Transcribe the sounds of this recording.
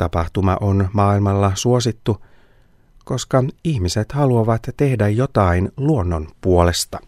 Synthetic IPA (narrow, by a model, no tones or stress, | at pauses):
t̪ɑpɑht̪umɑ̰ʔo̞nmɑːilmɑlːɑsuo̞sit̪ːu | ko̞skɑiçmise̞t̪hɑluɑʋɑt̪tːe̞hdæjjo̞t̪ɑinluo̞nːonpuo̞le̞st̪ɑ̥